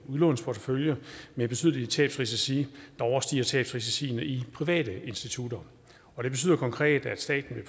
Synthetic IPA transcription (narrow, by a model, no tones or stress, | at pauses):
uðˠlɔ̽ːnspʰɒt͡səføljəmeb̥e̝t͡sʰyðˠlit͡sʰɛ̰ːb̥sʁis̬esḭːd̥ɑ̈ɒʊɐsd̥ḭːɐt͡sʰɛ̰ːb̥sʁis̬esḭːnəʔipʰʁiʋɛ̰ːd̥əe̝nsd̥it͡sʰud̥ɐ | ɒ̽ɾ̥e̝be̝t͡sʰy̰ːð̰ˠɐkʰɒ̽ŋkʰʁɛ̰ːd̥æd̥sd̥ɛ̰ːd̥n̩ʋe̝